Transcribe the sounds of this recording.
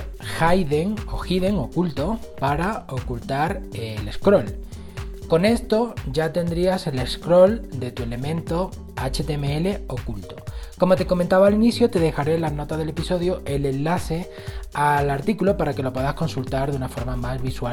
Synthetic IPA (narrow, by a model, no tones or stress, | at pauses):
xajðe̞ŋo̞xiðe̞ŋo̞kult̪o̞paɾao̞kult̪aɾele̞skɾo̞l | ko̞ne̞st̪o̞ɟ͡ʝat̪e̞nd̪ɾiase̞le̞skɾo̞ld̪e̞t̪ue̞le̞mẽ̞nt̪o̞ | at͡ʃet̪emeele̞o̞kult̪o̞ko̞mo̞t̪e̞ko̞mẽnt̪aβaliniθjot̪e̞ðe̞xaɾe̞lano̞t̪azðe̞le̞piso̞ð̞joʔe̞le̞nlaθe̞ | alaɾt̪ikulopaɾake̞lo̞pwe̞ðasko̞nsult̪aɾðunafo̞ɾmamazβiswa